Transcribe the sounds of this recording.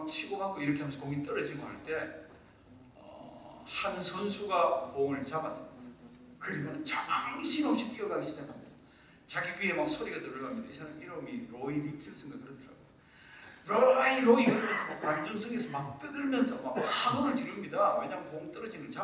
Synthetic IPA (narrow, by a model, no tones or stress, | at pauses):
t͡ɕʰiɡoɡaŋɡoiɾʌkʰeamensʰʌkoŋit͈ʌɾʌd͡ʑiɡoɦaɭt͈e̞ | ʌ̰hanɯnsʰʌnsʰuɡakoŋɯɭt͡ɕamas͈ɯ̥mɲidda | kɯɾimʌnnt͡ɕaŋɕʰimoɕʰip͈iɡʌɡaɡiɕʰid͡ʑaŋamido | t͡ɕaɡiɡɥie̞mak̚sʰoɾiɡat͈oɾɯɭɡamɲid̥a̰isʰanamiɾʌmiɾoiɾikʰiʌs͈ɯmɡakɯɾʌtʰɯɾa̰ɡojo | ɾoaiɾoiɡɯɾamjʌnsʰʌmakaɭd͡ʑonsʰʌŋesʰʌmak̚t͈ɯɡɯɭmjʌnsʰʌmakhaɡʌnɯɭt͡ɕiɾɯmɲidaweɲamkoŋt͈ʌɾʌd͡ʑimɯnt͡ɕa